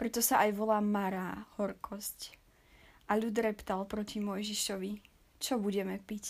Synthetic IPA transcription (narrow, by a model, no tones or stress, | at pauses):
pɾɛt̪ɔsaʔajʋɔlaːmaɾaːhɔɾkʰɔsc | ʔaʎud̪ɾɛpt̪alpɾɔcimɔjʒiʃɔʋi | t͡ʃɔbuɟɛmɛpic